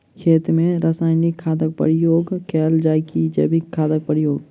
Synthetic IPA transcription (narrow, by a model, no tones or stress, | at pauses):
kʰeːt̪ɾmẽɾaːsaːɪnikʰːaːd̪ək̚pə̰ɾɪjoːɡkʰɛːld͡ʒaːɪkid͡ʒə̰bʱikʰaːd̪ək̚pəɾɪjoːɡ